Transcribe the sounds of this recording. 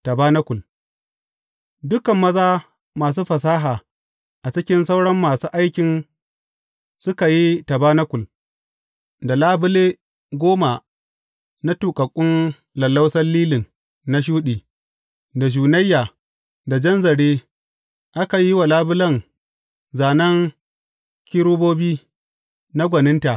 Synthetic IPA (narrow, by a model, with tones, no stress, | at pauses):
ta˨baː˦nɐ˦kʷʊ˨l | dʊ˦kɐ˨mːɐ˦zaː˦ | maː˨s̬uː˦ɸɐ˨s̬aː˦ɦaː˨ | ʔa˨t͡ʃɪ˦kʲɪ˦nsa˦wɽɐ˦mːaː˨suː˦ʔa˦jkʲɪ˨n | sʊ˦ka˨ji˦ta˨baː˦nɐ˦kʷʊ˨l | da˨laː˦bʊ˦leː˦ | ɡʷoː˦ma˨ | na˦tuː˨kʼɐ˨kʷʼːʊ˦n | lɐ˨lːa˦wsɐ˦lːiː˦lɪ˨ŋ | na˦ʃ̬uː˦ɗiː˨ | da˨ʃ̬uː˨nɐ˦jːaː˨ | da˨d͡ʒɐ˦nzɐ˨ɽeː˦ | ʔa˦ka˨ji˦wa˨laː˦bʊ˦lɐ˦ŋ | zaː˨nɐ˦ŋ | kʲi˦ɾuː˦boː˦biː˦ | na˦ɡʷɐ˨nɪ˦nta˨ʔ